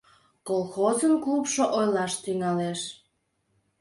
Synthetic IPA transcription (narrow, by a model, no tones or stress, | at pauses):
kolˠxozənklupʃoʔojlɑʃt̪yŋɑleʃ